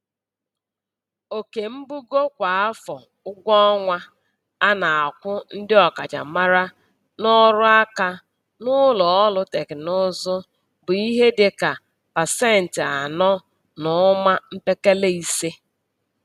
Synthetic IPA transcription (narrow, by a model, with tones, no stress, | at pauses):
o˨ke˨m̩˦bu˦ɡo˦kʷa˨a˦fɔ˨ | ʊ˦ɡʷɔ˦ɔ˦ŋʷa˦ | a˦na˨a˨kʷʊ˦n̩˦dɪ˦ɔ˨ka˨t͡ʃa̰˨ma˦ɾa˦ | nɔ˦ɾʊ˦a˦ka˦ | nʊ˦lɔ˨ɔ˦lʊ˦te˨kɪ˨nʊ˦zʊ˦ | bʊ˨i˦ɦe˦dɪ˨ka˨ | pa˨se˦n̩˨tɪ˨a˨nɔ˦ | nʊ˨˦ma˦m̩˦pe˦ke˦le˦i˦se˦